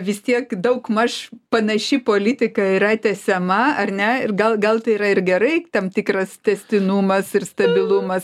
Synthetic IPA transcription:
ʋʲɪst̪ʲiɛkd̪ɐʊkmɐʃpɐnɐʃʲipoːlʲɪt̪ʲɪkɐiɾɐt̪ʲɛsʲɛmɐɐrnʲɛɪrɡɐlˠɡɐlˠt̪ɐɪiɾɐɪrɡʲɛɾɐɪt̪ɐmt̪ʲikrɐst̪ʲɛsʲt̪ʲɪnuːmɐsɪrst̪ɐbʲɪlˠumɐs

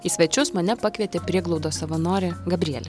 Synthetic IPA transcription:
isʲʋʲɛt͡ʃʲʊsmɐnʲɛpɐkʋʲiɛt̪ʲeːpʲɾʲiɛɡlˠɒʊd̪oːsɐʋɐnoːɾʲɪɡɐbʲɾʲiɛlʲɪ

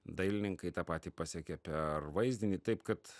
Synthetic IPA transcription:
d̪ɐɪlʲɪnʲɪŋkɐɪt̪ɑːpɑːt̪ʲiːpɑːsʲɛkʲɛpʲɛrʋɐɪzʲd̪ʲɪnʲiːt̪ɐɪpkɐt̪

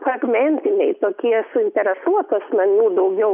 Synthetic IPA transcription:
fɾɐɡmʲɛnʲt̪ʲɪnʲɛɪt̪oːkʲiɛsʊɪnʲt̪ʲɛɾʲɛsuɔt̪uɐsmɐnʲuːd̪ɐʊɡʲɛʊ

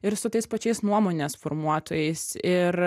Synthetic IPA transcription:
ɪɾsʊt̪ɐɪspɐt͡ʃʲɛɪsnuɔmoːnʲeːsfoːɾmuɔt̪oːjɛɪsɪɾ

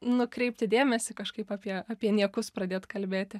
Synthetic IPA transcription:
nʊkɾʲɛɪpʲt̪ʲɪd̪ʲeːmʲɛsʲɪkɐʃkɐɪpaːpʲiɛaːpʲiɛnʲiɛkʊspɾɐd̪ʲeːt̪kɐlʲbʲeːt̪ʲɪ

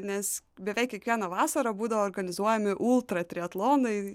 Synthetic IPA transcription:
nʲɛsbʲɛʋʲɛɪkːʲiɛkʋʲiɛnɐʋɑːsɐɾɐbuːd̪ɐʋoːɾɡɐnʲɪzuɔjɛmʲɪʔʊlˠt̪ɾɐt̪ʲɾʲɪɛt̪lˠoːnɐɪ

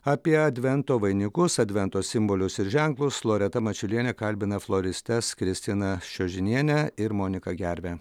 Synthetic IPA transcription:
ɐpʲiɛɐd̪ʲʋʲɛnt̪oːʋɐɪnʲɪkʊsɐd̪ʲʋʲɛnt̪oːsʲɪmboːlʲʊsɪɾʒʲæŋklˠʊslˠoːɾʲɛt̪ɐmɐt͡ʃʲʊlʲiɛnʲɛkɐlʲbʲɪnɐflˠoɾʲɪsʲt̪ʲɛskɾʲɪsʲt̪ʲɪnɐʃʲoːʒʲɪnʲiɛnʲɛɪɾmoːnʲɪkɐɡʲæɾʲʋʲɛ

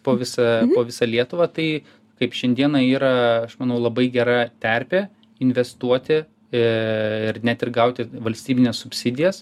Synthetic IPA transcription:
poːʋʲɪsɐpoːʋʲɪsɐlʲiɛt̪ʊʋɐːt̪ɐɪ | kɐɪpʃʲɛnʲd̪ʲiɛnɐiːɾɐɐʃmɐnɐʊlˠɐbɐɪɡʲɛɾɑt̪ʲɛɾʲpʲeː | ɪnʲʋʲɛst̪uɔt̪ʲɪ | ɪrnʲɛt̪ɪrɡɐʊt̪ʲɪʋɐlʲsʲt̪ʲiːbʲɪnʲeːssʊpʲsʲɪd̪ʲɪjɛs

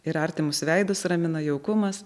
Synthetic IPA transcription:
ɪɾɐɾʲt̪ʲɪmʊsʋʲɛɪd̪ʊsɾɐmʲɪnɐjɛʊkʊmɐs

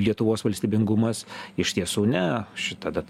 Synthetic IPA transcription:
lʲiɛt̪ʊʋoːsʋɐlʲsʲt̪ʲiːbʲɪŋɡʊmɐsɪʃt̪ʲiɛsuːnʲɛʃʲɪt̪ɐd̪ɐ

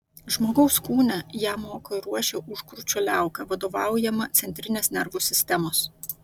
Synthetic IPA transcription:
ʒmoːɡɐʊskuːnʲɛjæːmoːkoɪɾuɔʃʲeʔʊʃkɾut͡ʃʲoːlʲæˑʊkɐʋɐd̪oːʋɑˑʊjɛmɐt̪sʲɛnʲt̪ʲɾʲɪnʲeːsnʲɛɾʋuːsʲɪsʲt̪ʲɛmoːs

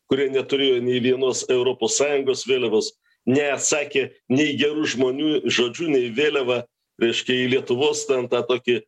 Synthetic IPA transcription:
kʊɾʲiɛnʲɛt̪ʊɾʲeːjoːnʲɛɪʋʲiɛnuɔsɛʊɾoːpoːssɑːjʊŋɡoːsʋʲeːlʲɛʋoːs | nʲɛɐt̪sɑːkʲeːnʲɛɪɡʲɛɾuːʒmoːnʲuːʒoːd͡ʒʲuːnʲɛɪʋʲeːlʲɛʋɐ | ɾʲɛɪʃʲkʲɛɪlʲiɛt̪ʊʋoːst̪ʲɛnt̪ɑːt̪oːkʲɪ

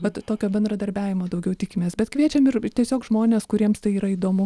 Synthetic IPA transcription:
ʋɐt̪t̪oːkʲoːbʲɛnd̪ɾɐd̪ɐɾʲbʲæːʋʲɪmoːd̪ɐʊɡʲɛʊt̪ʲiːkʲɪmʲeːsbʲɛt̪kʋʲiɛt͡ʃʲɛmɪrt̪ʲiɛsʲoːkʒmoːnʲeːskʊɾʲiɛmst̪ɐɪiːɾɐiːd̪oːmʊ

